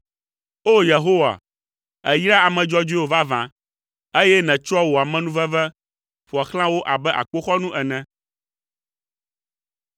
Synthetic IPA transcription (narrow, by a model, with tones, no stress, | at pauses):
o˦je˨ɦo˦wa̰˨ | ɛ˨jɾa˦a˨mɛ̃˨d͡ʒɔ˦d͡ʒu˦i˦o˨va˦vã˨ | e˦jɛ˦nɛ̃˨t͡ʃɔ˦wo˨a˨mɛ̃˦nũ˦vɛ˦vɛ˦ | ɸu˨a˨xl̃ã˦wo˦ʔa˨bɛ˦ʔa̰˨k͡po˦xɔ˦nũ˦ʔɛ˨nɛ̃˨